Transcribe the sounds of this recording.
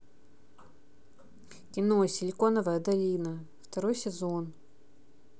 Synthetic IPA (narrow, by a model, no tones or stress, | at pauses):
kʲɪnosʲɪlʲkonəvəjəd̪ɐlʲinə | ft̪ɐɾojsʲɪzon